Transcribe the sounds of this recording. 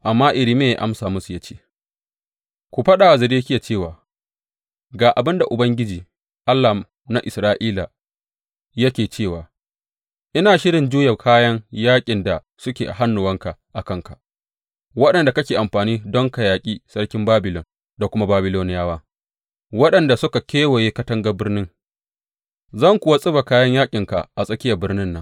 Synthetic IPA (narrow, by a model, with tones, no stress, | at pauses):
ʔa˨mːaː˦ʔɪ˨ɾiː˦meː˦˨ja˦ʔa̰˦msaː˨mʊ˦su˨ja˦t͡ʃe̥ː˦ | kʷu˨ɸɐ˦ɗaː˨a˨zɪ˨ɾeː˦kʲɪ˦ja˨t͡ʃeː˦˨waː˨ | ɡaː˨ʔa˨bɪ˦nda˨ʔʊ˨bɐ˦ŋɡʲɪ˦d͡ʒiː˨ | ʔa˦lːa˨ | na˦ʔɪ˨sɾaː˦ʔiː˦la˨ | jɐ˦kʲeː˨t͡ʃeː˦˨waː˨ | ʔɪ˦naː˨ʃɪ˦ɽɪ˨nd͡ʒuː˦ja˨kʰaː˦jɐ˦ŋjaː˦kʲʼɪ˨nda˨ | sʊ˦kʲeː˨ʔa̰˨ɦa˦nːʊ˨wɐ˦ŋka˨ʔa˨kɐ˦˨ŋka̰˨ | wɐ˦ɗɐ˨nda˨kɐ˦kʲeː˨ʔa˨mɸaː˨niː˦dɔ˦ŋka˨jaː˨kʲʼiː˦sɐ˦ɽkʲɪ˦mbaː˦bɪ˨lɔ˨n | da˨kʷʊ˦ma˦baː˦bɪ˦loː˦nɪ˦jaː˦waː˦ | wɐ˦ɗɐ˨nda˨sʊ˦ka˨kʲeː˦wo˨jeː˦kɐ˦tɐ˦ŋɡa˦bɪ˦rnɪ˦ŋ | zɐ˦˨ŋkʷʊ˨wa˦sʼɪ˦ba˨kaː˦jɐ˦ɲjaː˦kʲʼɪ˨ŋka˨ʔa˨sʼɐ˦kʲɪ˦jɐ˨bɪ˦rnɪ˦nːɐ˦ŋ